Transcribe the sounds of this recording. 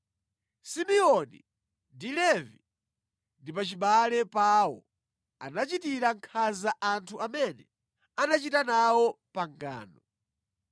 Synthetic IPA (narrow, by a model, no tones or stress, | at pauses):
simiɔnḭ | ndilɛvi | ndipat͡ʃiɓalɛpawɔ̰ | a̰nat͡ʃitiɾaŋkʰazaʔantʰuʔamɛnɛ | anat͡ʃitanawɔpaŋɡa̰ːnɔ